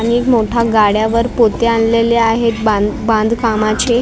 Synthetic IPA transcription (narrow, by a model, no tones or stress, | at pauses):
anikmoʈʰaɡaɽjaʋəɾpot̪eanleljaaɦet̪babãnd̪ʱkamat͡ɕe